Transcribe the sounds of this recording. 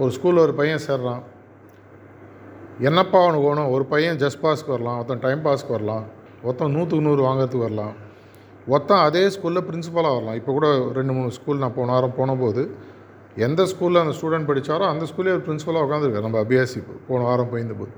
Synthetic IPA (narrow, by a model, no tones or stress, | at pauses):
ɔɾɯskuːlɔɾɯpɐjːɐ̃seːɾɐlãː | ɛnːɐpːaːʋɐɳɔ̃koːɳʊ̃ɔɾɯpɐjɐ̃d͡ʒɐsʈ̚paːskːɯʋɐɾɐlãːɔt̪ːɐ̃ʈɐɪmpaːskːɯʋɐɾɐlãː | ɔt̪ːɐ̃nuːt̪̬ːɯnuːɾɯʋaːŋɡɪɾɐt̪ːɯkɯʋɐɾɐlãː | ɔt̪ːɐ̃ɐðeːskuːlɪlɐpɪɾɪns̬ɪpɐlaːʋɐɾɐlãːɪpːoːkuːɽɐɾɛɳɖɯmuːɳɯskuːlnãːpoːnʊ̃aːɾɐ̃mpoːɳɐ̃poːðɯ | ɛnd̪ɐskuːlɪlɐɐnd̪ɐsʈuːɽɛɳʈ̚pɐɽɪt͡ʃːaːɾõɐnd̪ɐskuːleːɾɯpɪɾɪnsɪpɐlaːʊkːaːnd̪ɾɯkːaːɾnɐmbɐɐbɪjaːsɪpːɯ̰poːɳʊ̃aːɾɐ̃mpoːjɪnd̪ɐpo̰